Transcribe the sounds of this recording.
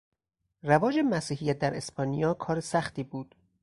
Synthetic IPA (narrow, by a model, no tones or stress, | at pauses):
rævɒːd͡ʒemæsiːɦijæt̪̚d̪æɾespɒːnijɒːkʰɒːɾesæxt̪iːbuːd̪̥